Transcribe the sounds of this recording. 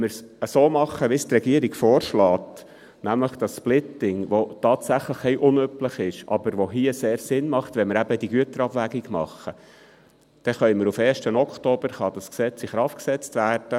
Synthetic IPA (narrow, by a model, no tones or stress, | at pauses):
məɾs | əsoːmɑχːəʋist̪rɛɡiəɾiɡ̥foːɾʃlɑːt | næmləχd̥ɑsplɪtɪŋʋotɑːtsæχləχɛjʔʊnøpləχɪʃʔɑ̰bəɾʋoɦiəseːɾsɪnmɑχt̪ʋɛnməɾæbəd̥iɡyətəɾɑbʋæɡiɡmɑ̰χːə | d̥ɛχœʏməɾufɛːɾʃtənɔkʰtoːb̥əɾχɑd̥ɑsksɛt͡siχɾɑftksɛt͡stʋæːrd̥ə